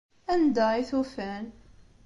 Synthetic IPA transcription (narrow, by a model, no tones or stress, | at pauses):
ænd̪æiθufæn